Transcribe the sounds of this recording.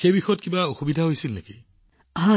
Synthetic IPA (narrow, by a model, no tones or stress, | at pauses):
xejbixɔjɔt̚kibaoxubidʱaɦojsilneki | ɦã